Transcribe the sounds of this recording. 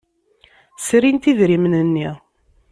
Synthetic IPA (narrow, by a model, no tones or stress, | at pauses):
sɾint̪iðɾimnənːi